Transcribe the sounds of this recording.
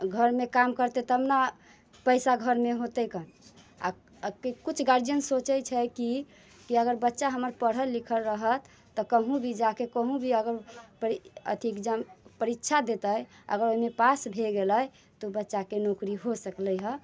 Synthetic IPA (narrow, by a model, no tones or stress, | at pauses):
ɡʱəɾmekamkəɾt̪et̪ɔəmna | pəɪsaɡʱəɾmeɦot̪ɛkən | a̰ | kkut͡ʃʰɡaɾənsot͡ʃɛt͡ʃʰɛki | kiəɡəɾbətːʃaɦəməɾpəɽ̤əlːikʰəlɾəɦət̪ː | ɔkəɦũbʱid͡ʒakekəɦũbʱiəɡəɾpəiə̰t̪ʰikd͡ʒəmpəɾitːʃʰad̪et̪əjə̰ɡəɾoimepasbʱeɡeləj | t̪obətːʃakenokɾiɦosəkləjɦə